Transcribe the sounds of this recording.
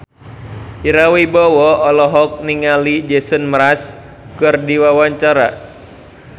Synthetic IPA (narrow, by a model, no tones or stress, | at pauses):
iɾawibɔwɔɔlɔɦɔk̚niŋalid͡ʒɛsənməɾas | kɨrdiwawaɲt͡ʃaɾa